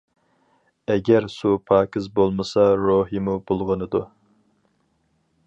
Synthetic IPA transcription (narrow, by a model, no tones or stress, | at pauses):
ɛɡʲɛɾsupʰɑːkʲʰizbolˠmɨsɑɾoɦimub̥olˠʁənɨd̪u